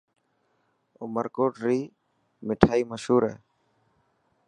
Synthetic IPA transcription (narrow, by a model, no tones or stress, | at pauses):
ʊməɾkoːʈɾiː | mɪʈʰaːiːməʃhuːɾɛ̰ː